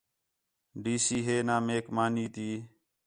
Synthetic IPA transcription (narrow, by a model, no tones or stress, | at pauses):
ɖiːsiːɦeːnaːmeːkmaːniːt̪iː